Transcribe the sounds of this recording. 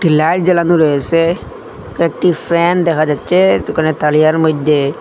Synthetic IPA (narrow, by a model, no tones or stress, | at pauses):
ʈilajʈd͡ʑɛlanuɾɔjese | kɛk̚ʈifɛnd̪ɛkʰad͡ʑatːʃet̪ukanet̪alijaɾmojd̪ʱːe